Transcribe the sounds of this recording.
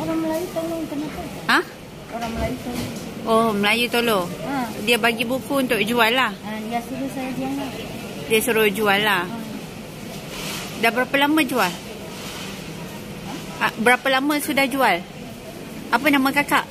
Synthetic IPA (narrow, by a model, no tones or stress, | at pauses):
oɾaŋməlajut̪oloint̪ərnat̪ə | ah | oɾaŋməlajut̪olooməlajut̪oloadiabaɡibukuunt̪ʊʔd͡ʒualːahadiasuɾʊsajadiana | diasuɾʊhd͡ʒualːah | dabəɾapalamãd͡ʒual | abəɾapalamãsudahd͡ʒual | apənamãkakaʔ